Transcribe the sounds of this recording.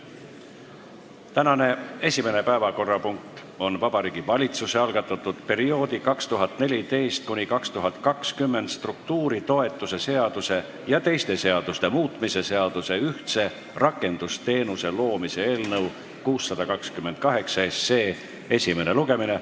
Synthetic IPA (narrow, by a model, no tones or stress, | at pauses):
t̪ænɑne̞e̞sʲime̞nepæevɑko̞rːɑpuŋk̚t̪ | o̞nvɑb̥ɑɾiːɡ̥ivɑlʲit̪suseɑlɡ̥ɑt̪ːˑɑt̪ːˑud̪̥pe̞ɾio̞ːd̪ikɑkst̪uɦɑt̪ˑne̞lʲit̪e̞jst̪̚kunʲikɑkst̪uɦɑt̪kɑkskymːe̞nd̪st̪ruk̚t̪uːɾit̪o̞e̞t̪ːˑuse̞se̞ɑd̪̥use̞ | jɑt̪e̞jst̪e̞se̞ɑd̪̥ust̪e̞muːt̪mise̞se̞ɑd̪̥use̞yht̪se̞ | rɑkːˑe̞nd̪̥ust̪e̞ːnuse̞lo̞ːmise̞e̞ːlnɤw | kuːsːɑd̪ɑkɑkskymːe̞nd̪̥̚kɑɦe̞ksɑesːe̞ː | e̞sʲime̞neluɡe̞mine̞